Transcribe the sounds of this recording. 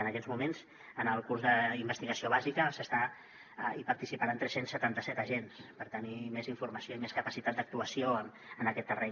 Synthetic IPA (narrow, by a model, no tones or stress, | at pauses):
ənəkɛzmumenz̥ | ənəlˠkuɾzðəimbəst̪iɣəsioβ̞azikəsəst̪a | ipaɾt̪isipaɾaənt̪ɾɛsensːət̪ant̪əsɛt̪əʒenspəɾt̪animeziɱfurməsioimeskəpəsit̪at̪̚d̪ək̚t̪uəsioə | ənəkɛt̪ːərɛ